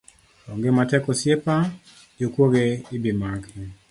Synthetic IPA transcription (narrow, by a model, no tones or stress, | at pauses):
ɔŋɡematɛkɔsjepa | d͡ʒokwoɡeibimaki